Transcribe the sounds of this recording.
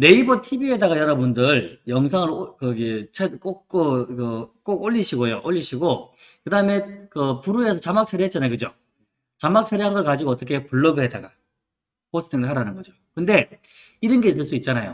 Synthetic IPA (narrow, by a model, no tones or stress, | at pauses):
ne̞ibʌtʰibie̞daɡajʌɾʌbundɯɭjʌŋsʰaŋɯɾokɯɡet͡ɕʰek͈ok͈okɯk͈oɡoʎːiɕʰiɡojoʔoʎːiɕʰiɡo | kɯdaɯme̞kɯpuɾuesʰʌt͡ɕamak̚t͡ɕʰʌɾiɦett͡ɕ͈anajokɯd͡ʑo | t͡ɕamak̚t͡ɕʰʌɾiɦanɡʌɭkad͡ʑiɡoʌt͈ʌkʰe̞puɭːʌɡɯɦedaɡa | pos͈ʰɯ̥tʰiŋɡɯɭɦaɾanɯnɡʌd͡ʑokɯnde̞ | iɾɯnɡeis̬͈ɯɭs͈uit̚t͡ɕ͈anajo̰